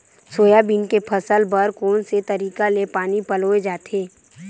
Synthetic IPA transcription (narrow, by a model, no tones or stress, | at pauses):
soːjabinkepʰəsəlbəɾkoːnset̪ɐɾiːkalepaːnipɐloːed͡ʒaːt̪ʰeː